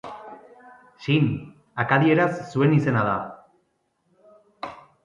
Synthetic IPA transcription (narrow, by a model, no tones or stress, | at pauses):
ʃin | akaðie̞ɾasːue̞nise̞nað̞a̰